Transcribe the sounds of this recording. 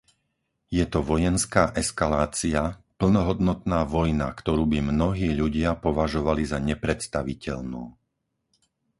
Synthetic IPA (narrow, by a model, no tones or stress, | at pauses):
jɛt̪ɔʋɔjɛnskaːʔɛskalaːt͡siapl̩nɔɦɔd̪nɔt̪naːʋɔjna̰kt̪ɔɾuːbimnɔɦiːʎuɟɪapɔʋaʒɔʋalizaɲɛpɾɛt̪st̪aʋicɛ̰ʎnuː